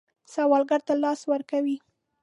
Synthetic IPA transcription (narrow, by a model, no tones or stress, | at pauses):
sawɑlɡaɾt̪alɑswəɾkawi